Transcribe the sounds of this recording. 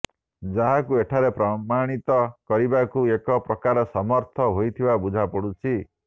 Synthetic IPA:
d͡ʒaɦakueʈʰaɾepɾɔmaɽ̃it̪ɔkɔɾibakuekɔpɾɔkaɾɔsɔmɔɾt̪ʰɔɦojt̪ʰibabud͡ʒʱapɔɽut͡ʃʰi

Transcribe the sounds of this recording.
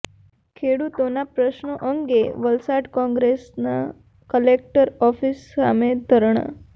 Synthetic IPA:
kʰeɽut̪onapɾəʃɳəʔəŋɡeʋəlsaɖkɔ̃ŋɡɾesna̰ | kəlek̚ʈəɾɔfisa̰med̪ʱəɾɳ̃ə̰

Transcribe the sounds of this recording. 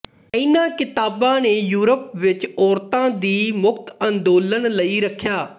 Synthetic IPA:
ɪnãːkɪt̪aːbãːneːjuːɾəpʋɪt͡ʃɔːɾt̪ãːd̪iːmʊkt̪ənd̪oːlənləiːɾəkʰːjaː

